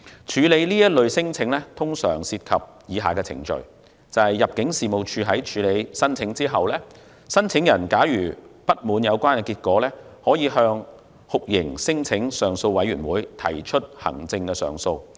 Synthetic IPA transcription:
t͡ʃʰyː˨˧le˨˧jliː˥jɐ˥t̚lɵ˨˧ɥsɪ˥ŋt͡sʰɪ˨˧˥ŋlɛː˥t̪ʰʊ˥ŋsœ̰ː˨˩ŋsiː˧t̚kʰɐ˨p̚jiː˨˧ɦaː˨˩kɛː˧t͡sʰɪ̰˨˩ŋt͡ʃɵ̰˨ɥ | t͡sɐ˨˧hɐ˨jːɐ˨p̚kɪ˨˥ŋsiː˨˩mo˨wt͡ʃʰyː˨˧ɦɐ˨˥jt͡ʃʰyː˨˧le˨˧jsɐ˥nt͡sʰɪ˨˥ŋt͡siː˥ɦɐ˨wlɛː˥ | sɐ˥nt͡sʰɪ˨˥ŋjɐ˨˩nkaː˨˥jyː˨˩pɐ˥t̚muː˨˧njɐ˨˧wkʷaː˥nkɛ˧kiː˧t̚kɔː˨˥lɛː˥hɔː˨˥jiː˨˧ɦœː˧ŋ | hʊ˨k̚jɪ˨˩ŋsɪ˥ŋt͡sʰɪ˨˥ŋsœː˨ŋso˧wwɐ˨˥jɥyː˨˩nwuː˨˥jt̪ʰɐ̰˨˩jt͡ʃʰɵ˥t̚hɐ̰˨˩ŋt͡sɪ˧ŋkɛː˧sœ̰ː˨˩ŋso˧w

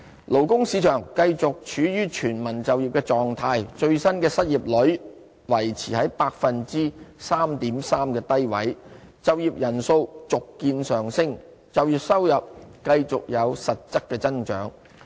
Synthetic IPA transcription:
lo˨˩wkʊ˥ŋsiː˨˧t͡ʃʰœː˨˩ŋkɐ˧jt͡sʊ˨k̚t͡ʃʰyː˨˥jyː˥t͡ʃʰyː˨˩nmɐ˨˩nt͡sɐ˨wjiː˨˩p̚kɛː˧t͡sɔː˨ŋt̪ʰaː˧jt͡ʃɵ˧ɥsɐ˥nkɛː˧sɐ˥t̚jiː˨˩p̚lɵ˨˥ | wɐ˨˩jt͡sʰiː˨˩hɐ˨˥jpaː˧k̚fɐ˨nt͡siː˥saː˥mt̪iː˨˥msaː˥mkɛː˧t̪ɐ˥jwɐ˨˥jt͡sɐ˨wjiː˨p̚jɐ˨˩nso˧wt͡sʊ˨kːiː˧nsœː˨˩ŋsɪ˥ŋ | t͡sɐ˨wjiː˨˩sɐ˥wjɐ˨p̚kɐ˧jt͡sʊ˨k̚jɐ˨˧wsɐ˨t̚t͡sɐ˥kːɛː˧t͡sɐ˥nt͡ʃœ̰ː˨˥ŋ

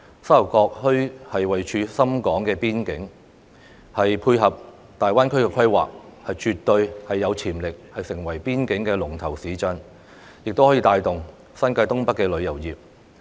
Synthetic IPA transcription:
sɐ˥ɐ˨˩wkɔː˧k̚hɵ˥ɥhɐ˨jwɐ˨jt͡ʃʰyː˧sɐ˥mkɔː˨˥ŋkɛː˧piː˥nkɪ˨˥ŋ | hɐ˨jpʰuː˧jɦɐ˨p̚ | t̪aː˨jwaː˥nkʰɵ˥ɥkɛː˧kʰɐ˥jwa̰ː˨k̚hɐ˨jt͡ʃyː˨t̪ɵ˧ɥhɐ˨jːɐ˨˧wt͡sʰiː˨˩mlɪ˨k̚hɐ˨jsɪ˨˩ŋwɐ˨˩jpiː˥nkɪ˨˥ŋkɛː˧lʊ˨˩ŋt̪ʰɐ˨˩wsiː˨˥t͡ʃœ˨˧n | jɪ˨k̚t̪o˥whɔ˨˥jiː˧t̪aː˧jt̪ʊ˨ŋ | sɐ˥nkaː˧jt̪ʊ˥ŋpɐ˥kːɛː˧lɵ˨˧ɥjɐ˨˩wjiː˨p̚

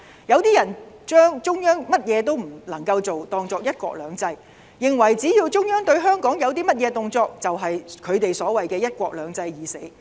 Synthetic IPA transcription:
jɐ˨˧wt̪iː˥jɐ˨˩nt͡ʃœː˥ŋt͡sʊ˥ŋjœː˥ŋmɐ˥t̚jɛː˨˧t̪̬o˥wm̩˨˩lɐ˨˩ŋkɐ˧wt͡so˨wt̪ɔː˧ŋt͡sɔː˧k̚jɐ˥t̚kʷɔ̰ː˧k̚lœː˨˧ŋt͡sɐ˧j | jɪ˨˩ŋwɐ˨˩jt͡siː˨˥jiː˧wt͡sʊ˥ŋjœː˥ŋt̪ɵ˧ɥɦœː˥ŋkɔː˨˥ŋjɐ˨˧wt̪̬iː˥mɐ˥t̚jɛː˨˧t̪ʊ˨˧ŋt͡sɔː˧k̚t͡sɐ˨wɦɐ˨jkʰɵ˨˧ɥt̪e˨jsɔː˨˥wɐ˨jkɛː˧jɐ˥t̚kʷɔː˧k̚lœː˨˧˥ŋt͡sɐ˧jjiː˨˧se˨˥

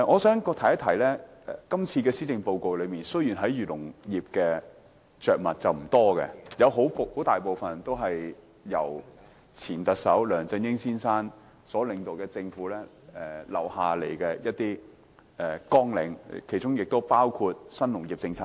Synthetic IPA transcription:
ɛ˨ŋɔː˨˧sœː˨˥ŋkɔː˧k̚t̪ʰɐ˨˩jɐ˥t̪ʰɐ˨˩jlɛː˥ɛ˨˩kɐ˥mt͡sʰiː˧kɛː˧siː˥t͡sɪ˧ŋpo˧wko˨˧wlɵ˨˧ɥmiː˨nsɵ˥ɥjyː˨˩nɦɐ˨˥jyː˨˩lʊ˨˩ŋjiː˨p̚kɛː˧ | t͡sœː˨k̚mɐ˨t̚t͡sɐ˨wm̩˨˩t̪ɔː˥kɛ̰˧jɐ˨˧wɦo˨˥who˨˥t̪aː˨jpo˨˧wfɐ˨nt̪o˥wɦɐ˨j | jɐ̰˨˩w | t͡sʰiː˨˩nt̪ɐ˨k̚sɐ˨˥wlœː˨˩ŋt͡sɪ˧ŋjɪ˥ŋsiː˥nsaː˥n | sɔː˨˥lɪ˨˧ŋt̪o˨wkɛː˧t͡sɪ˧ŋfuː˨˥lɛː˥ | ɛ˨lɐ̰˨whaː˨le˨˩jkɛː˧jɐ˥t̚t̪iː˥ | ɛ˨kɔː˥ŋlɪ˨˥ŋkʰe˨˩jt͡ʃʊ˥ŋjɪ˨k̚t̪o˥wpaː˥wkʰuː˧t̚sɐ˥nlʊ˨˩ŋji˨p̚t͡sɪ˧ŋt͡sʰaː˧˥

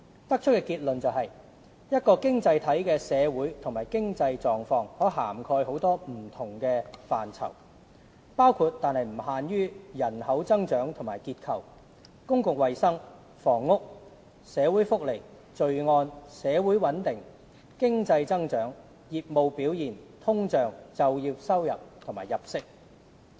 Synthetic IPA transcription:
t̪ɐ˥k̚t͡ʃʰɵ˥tkɛː˧kiː˧t̚lɵ˨nt͡sɐ˨wɦɐ˨j | jɐ˥t̚kɔː˧kɪ˥ŋt͡sɐ˧jt̪ʰɐ˨˥jkɛː˧sɛː˨˧wuː˨˥jt̪ʰʊ˨ŋmaː˨˩jkɪ˥ŋt͡sɐ˧jt͡sɔː˨ŋfɔː˧ŋhɔː˨˥ɦa̰ː˨˩mkʰɔː˧jho˨˥wt̪ɔː˥m̩˨˩t̪ʰʊ˨˩ŋkɛː˧faː˨nt͡sʰɐ̰˨˩w | paː˥wkʰuː˧t̚t̪aː˨˧nhɐ˨jm̩˨˩haː˨njyː˥jɐ˨˩nhɐ˨˥wt͡sɐ˥ŋt͡ʃœː˨˥ŋt̪ʰʊ˨˩maː˨˩jkiː˧t̚kʰɐ˨w | kʊ˥ŋkʊ˨ŋ̚wɐ˨jsɐ˥ŋ | fɔː˨˩ŋːʊ˥k̚ | sɛː˨˥wuː˨˥jfʊ˥k̚le˨˩j | t͡ʃɵ˨ɥŋɔː˧nsɛː˨˥wuː˨˥jwɐ˨˥nt̪ɪ˨ŋ | kɪ˥ŋt͡sɐ˧jt͡sɐ˥ŋt͡ʃœː˨˥ŋ | jiː˨p̚mo˨˧wpiː˨˥wjiː˨˩nt̪ʰʊ˥ŋt͡ʃœː˨ŋt͡sɐ˨wjiː˧wsɐ˥wjɐ̰˨p̚t̪ʰʊ˨˩maː˨˩jɐ˨p̚sɪ˥k̚

